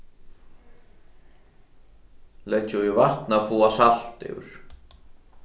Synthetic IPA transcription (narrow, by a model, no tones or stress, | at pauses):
lɛt͡ʃuivaht̪nafuːasal̥t̪ɪ̰wɾ̥